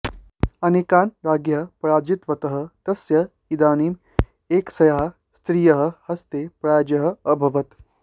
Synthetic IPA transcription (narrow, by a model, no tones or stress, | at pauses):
ɐnekaːnɾaːɡjɐɦɐpɾaːd͡ʒit̪ʋɐt̪ɐɦɐ̆t̪ɐsjɐ | id̪aːniːm | eːksɐjaɦɐ̆ | st̪ɾiːjɐɦɐ̆hɐst̪eːpɾaːd͡ʒɐɦɐ̆ɐbʱɐʋɐt̪